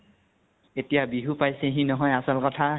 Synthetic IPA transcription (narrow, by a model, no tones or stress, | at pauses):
etijabiɦupajseɦĩnɔɦɔjasɔlkɔtʰa